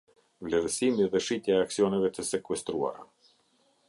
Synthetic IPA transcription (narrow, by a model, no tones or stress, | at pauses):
vlɛɾsimiðɛʃit̪jɛɛaksiɔnɛvɛt̪əsɛkwɛst̪ɾua̰ɾa̰